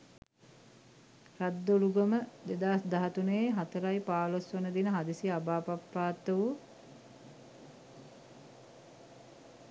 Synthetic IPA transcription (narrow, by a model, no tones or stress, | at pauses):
rad̪ːoluɡəməd̪ed̪aːsd̪aɦat̪uneːɦat̪əɾajpaːlosʋonəd̪inəɦad̪isiabaːpapːaːt̪ːəʋu